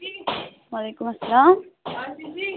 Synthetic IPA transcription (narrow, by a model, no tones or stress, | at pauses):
ʋɐleːkʊmɐsɐlaːm